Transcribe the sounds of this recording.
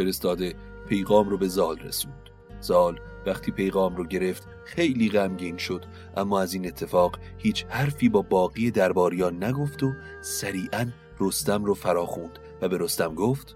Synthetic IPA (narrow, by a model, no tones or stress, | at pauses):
feɾest̪ɒːd̪e | pʰe̞jɣɒːmɾobe̞zɒːlresuːnd̪̥ | z̥ɒːl | væχt̪ʰiːpʰe̞jɣɒːmɾoɟe̞ɾe̞ft̪ | xe̞jliːɣæmɟiːnʃo̞d̪̥ | ʔæmːɒːæziːne̞t̪ʰːe̞fɒːɣ | hiːt͡ʃʰhæɾfiːbɒːbɒːɣiːjed̪æɾbɒːɾijɒːnːæɡo̞ft̪o | sæɾiːʔæn | rost̪æmrofæɾɒːxund̪̥ | væbe̞ɾost̪æmɡoːft̪